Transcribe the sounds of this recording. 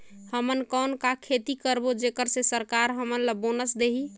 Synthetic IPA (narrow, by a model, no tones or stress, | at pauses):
həmənkənkakʰet̪ikəɾbod͡ʒekəɾsesəɾkaɾɦəmənləbonəsd̪eɦi